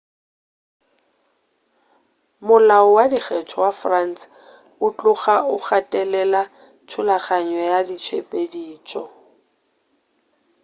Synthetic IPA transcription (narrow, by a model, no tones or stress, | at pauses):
mʊlaɔwadiχɛt͡ʃʰɔwafrans | ʊt͡ɬʼʊχaʊχatʼɛlɛla | t͡ʃʰʊlaχaɲɔjadit͡ʃʰwepʼediːt͡ʃʼɔ